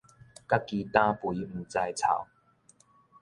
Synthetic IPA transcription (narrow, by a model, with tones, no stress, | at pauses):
ka˦ki˨˧t̪ã˧pwui˨˦m̩˨˩t͡sa˧jt͡sʰa̰˨˩˦w